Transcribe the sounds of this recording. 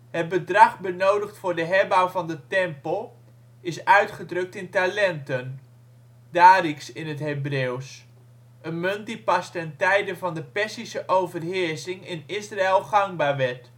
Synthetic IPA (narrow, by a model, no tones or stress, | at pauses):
hət̚bədrɑχbənowdəχtfʊːɹdəɦɛrbawvɑndətɛmpəlˠ | ɪsœɥtχədrɵk̚tɪntalɛntən | d̥aːriksɪnɦətɦejbrews | ənmɵnt̚dipɑstɛntɛjdəvɑndəpɛsisəʔowvərɦɪːɹsɪŋɪnɪsraɪlˠχɑŋbaːɹʋɛɹt